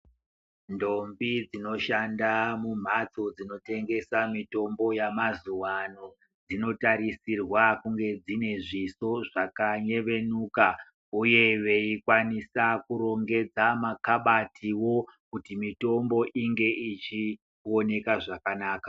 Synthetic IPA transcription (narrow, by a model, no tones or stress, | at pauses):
ndo̞mbid͡zino̞ʃandamum̤at͡sod͡zino̞te̞ŋɡe̞samito̞mbo̞jamazuwano̞ | d͡zino̞taɾisirwakuŋɡe̞d͡zine̞ʐiso̞ʐakaɲe̞ʋe̞nuːka | uje̞ʋe̞ikwanisakuɾo̞ŋɡe̞d͡zamakaɓatʰiwo̞kutimito̞mbo̞ʔiŋɡe̞ʔit͡ʃi | o̞ne̞kaʐakanaːka